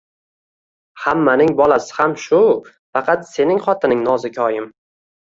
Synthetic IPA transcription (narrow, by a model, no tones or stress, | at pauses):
hamːanɪŋbɒlˠasɪ̥hamʃʊ | fɑqʰɑt̪se̞nɪŋχɒt̪ʰɪnɪŋnɒzɪkʲʰɒjɪm